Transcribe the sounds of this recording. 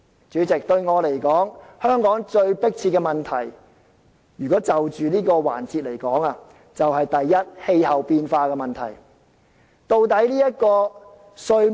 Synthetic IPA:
t͡ʃyː˨˥t͡sɪ˨k̚t̪ɵ˧ɥŋɔː˨˧le˨˩jkɔː˨˥ŋhœː˥ŋkɔː˨˥ŋt͡ʃɵ˧ɥpɪ˥k̚t͡sʰiː˧t̚kɛː˧mɐ˨nt̪ʰɐ˨˩j | jyː˨kɔː˨˥t͡sɐ˨wt͡ʃyː˨niː˥kɔː˧wa̰ː˨˩nt͡siː˨t̚le˨˩jkɔː˨˥ŋaː˧ | t͡sɐ˨wɦɐ˨jt̪ɐ˨jːɐ˥t̚he˧jhɐ˨wpiː˧nfaː˧kɛː˧mɐ˨nt̪ʰɐ̰˨˩j | t̪o˧wt̪ɐ˨˥jliː˥jɐ˥t̚kɔː˧ | sɵ˧

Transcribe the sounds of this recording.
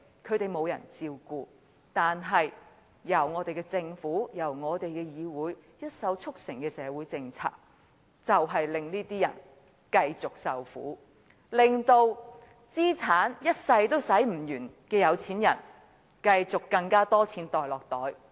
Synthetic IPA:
kʰɵ˨˧t̪e˨jmo˨˧wjɐ̰˨˩nt͡siː˧wkuː˧ | t̪aː˨nɦɐ˨j | jɐ˨˩wŋɔː˨˧t̪e˨jkɛ˧t͡sɪ˧ŋfuː˨˥jɐ˨˩wŋɔː˨˧t̪e˨jkɛː˧jiː˨˧wuː˨˥jjɐ˥t̚sɐ˨˥wt͡sʰʊ˥k̚sɪ˨˩ŋkɛː˧sɛː˨˧wuː˨˥jt͡sɪ˧ŋt͡sʰa̰ː˧k̚ | t͡sɐ˨wɦɐ˨jlɪ˨ŋniː˥t̪iː˥jɐ˨˩n | kɐ˧jt͡sʊ˨k̚sɐ˨wfṵː˨˥ | lɪ˨ŋt̪o˧w | t͡siː˥t͡sʰaː˨˥njɐ˥t̚sɐ˧jt̪o˥wsɐ˨˥jm̩˨˩jyː˨˩nkɛː˧jɐ˨˧wt͡sʰiː˨˥njɐ˨˩n | kɐ˧jt͡sʊ˨kːɐ˧ŋkaː˥t̪ɔː˥t͡sʰiː˨˥nt̪ɔː˨jlɔː˨k̚t̪ɔː˨˥j

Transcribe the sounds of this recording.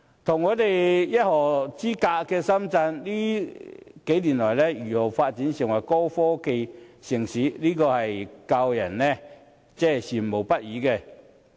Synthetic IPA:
t̪ʰʊ˨˩ŋːɔː˨˧t̪e˨jjɐ˥t̚hɔː˨˩t͡siː˥kaː˧kɛː˧sɐ˥mt͡sɐ˧nliː˥ | ke˨˥jliː˨˩nlɔː˨jlɛ˥jyː˨˩ho˨˩wfaː˧t̚t͡siː˨˥nsɪ˨˩ŋwɐ˨˩jkɔː˥wfɔː˥ke˧jsɪ˨˩ŋsiː˨˥liː˥kɔː˧hɐ˨jkɐ˧wjɐ˨˩nnɛ˥ | t͡sɛː˥siː˨˩m˨mo˨˩wpɐ˥t̚jiː˨˧˥kɛː˧

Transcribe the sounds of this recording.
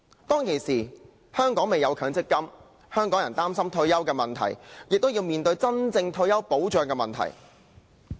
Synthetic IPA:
t̪ɔː˥ŋkʰe˨˩jsiː˨ | hœː˥ŋkɔː˨˥ŋme˨˩jɐ˨˧wkʰœː˨˥ŋt͡sɪ˥kːɐ˥m | hœː˥ŋkɔː˨˥ŋjɐ˨˩nt̪aː˥msɐ˥mt̪ʰɵ˧ɥjɐ˥wkɛː˧mɐ˨nt̪ʰɐ̰˨˩jjɪ˨k̚t̪wjiː˧wmiː˨nt̪ɵ˧ɥt͡sɐ˥nt͡sɪ˧ŋt̪ʰɵ˧ɥjɐ˥wpo˨˥wt͡ʃœː˨˧ŋkɛː˧mɐ˨nt̪ʰɐ̰˨˩j

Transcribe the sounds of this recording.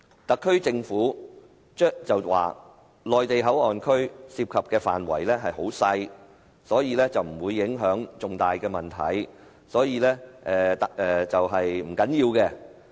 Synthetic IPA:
t̪ɐ˨kʰːɵ˥ɥt͡sɪ˧ŋfuː˨˥ | t͡ʃːt͡sɐ˨wwa̰ː˨ | lɔː˨jt̪e˨jɦɐ˨˥wɔː˨˩nkʰɵ˥ɥsiː˧p̚kʰɐ˨p̚kɛː˧fa̰ː˨nwɐ̰˨˩jlɛː˥ɦɐ˨jɦo˨˥wsɐ˧j | sɔː˨˥jiː˧lɛː˥t͡sɐ˨wm̩˨˩wuː˨˧jːɪ˨˥ŋɦœː˨˥ŋt͡sʊ˨ŋt̪aː˨jkɛː˧mɐ˨˩nt̪ʰɐ̰˨˩j | sɔː˨˥jiː˧lɛː˥ʔɛː˨t̪ɛ˨t͡sɐ˨wɦɐ˨jm̩˨˩kɐ˨˥njiː˧wkɛː˧

